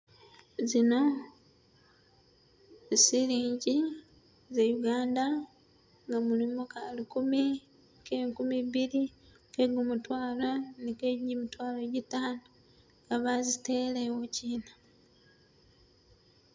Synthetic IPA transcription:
zino̞ | siliːɲɟi | zejuɡaːnda | ŋɡamulimokalikumi | keŋkumiβiɾi | ke̞ɡumutwaːlanikeɟimitwaːloɟitaːnu | ɡaβazitelewociːna

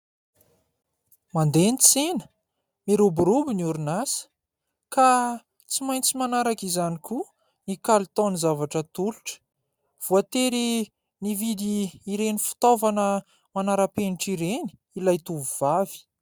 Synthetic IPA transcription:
mand̪enit͡senə̥ | miɾubuɾubiniuɾunasə̥ | ka | t͡simajnt͡simanaɾakizaniku | nikalit̪ɔnizavaʈ͡ʂət̪ulu̥ʈ͡ʂə̥ | v̥uat̪eɾi | nivid̪iːɾenifi̥t̪ovanə | manaɾapeniʈ͡ʂiɾeni̥ | ilajt̪uvuv̥avi̥

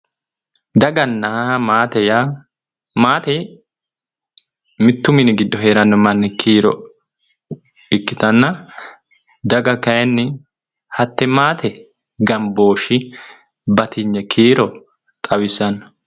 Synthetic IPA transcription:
d̪ɐɡɐnːɐmaːt̪ɛja | maːt̪ɛ | mɪt̪ːʊmɪnɪɡɪd̪ːɔɦe̞ːɾɐnːɔmɐnːɛkʰiːɾɔ̰ | ɪkːɪt̪ɐnːɐ | d̪ɐɡɐkɐjɛnːɪ | hɐt̪ːɛmaːt̪ʰɛ | ɡɐmbo̞ːʃɪ | bɐt̪ɪɲːɛkʰiːɾɔ | t̪ʼɐwɪsɐnɔ̥

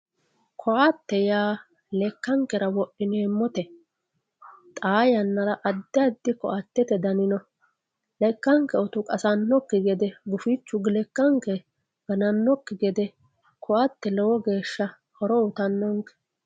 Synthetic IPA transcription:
kʰɔʔɐt̪ːɛjaː | lɛkːɐŋkɛɾɐwɔʔːɪneːmːɔt̪ɛ | t̪ʼaːjɐnːɐɾɐʔɐd̪ːɪɐd̪ːɪkɔ̰ʔɐt̪ːɛt̪ɛd̪ɐnɪnɔ | lɛkːɐŋkːɛɔt̪ʊkʼɐsɐnːɔkːɪɡɛd̪ɛɡʊfit͡ʃːʊɡɪlɛkːɐŋkɛ | ɡ̥ɐnɐnːɔkːɪɡɛd̪ɛ | kʰɔʔɐt̪ːɛlɛwɔɡe̞ːʃːɐ | hɔɾɔʊt̪ɐnːɔŋkːɛ̥

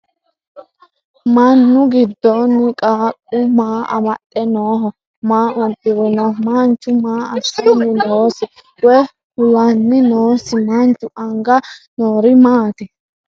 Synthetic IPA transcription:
mɐnːʊɡɪd̪ːɔnːɪkʼaːkʼːʊmaːɐ̰mɐt̪ʼːɛnoːɦɔ | maːʔʊnpʼːɪwɛnɔmant͡ʃːʊmaːɐsːinːɪnoːsɪ | ɛ | hʊlɐnːɪnoːsɪmant͡ʃʼːʊʔɐŋɡɐnoːɾɪmaːt̪ɪ

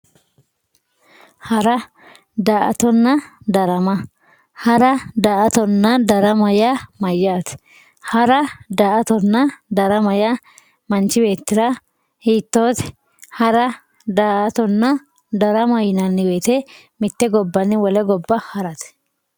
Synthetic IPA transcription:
hɐɾɐ | d̪aːʔɐ̰t̪ɔnːɐd̪ɐɾɐmɐ | hɐɾɐd̪aːʔɐt̪ɔnːɐd̪ɐɾɐmɐjamɐjːaːt̪ | hɐɾɐd̪aːʔɐt̪ɔnːɐd̪ɐɾɐmɐjɐ | mɐnt͡ʃɪbe̞ːt̪ːɪɾɐ | hiːt̪ːo̞ːt̪ɛ̥ | hɐɾɐ | d̪aːʔɐt̪ɔnːɐ | d̪ɐɾɐmɐjnɐnːɪweːt̪ɛ | mɪt̪ːɛɡɔbːɐnːɪwɔlɛɡɔbːɐhɐɾɐt̪

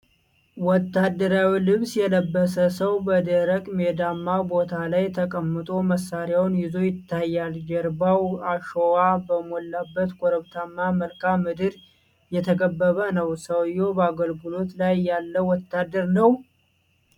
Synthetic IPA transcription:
wɔt̪ʰːad̪ːəɾawilɨβsjɛləbːəsəsəwbəd̪əɾəkʼmed̪amːabo̞t̪ʰalajt̪ʰəkʼəmːɨt̪ʼo̞məsːaɾjawnjɪzo̞jɪt̪ːajːald͡ʒəɾbawaʃowabəmolːabːət̪kʰʼoɾəβt̪ʰamːaməlkamːɨd̪ɨɾ | jɛt̪ʰəkʼəbːəβənəwsəwjːo̞bəaɡəlɡulo̞t̪lajːalːəwɔt̪ːad̪ːəɾnəw

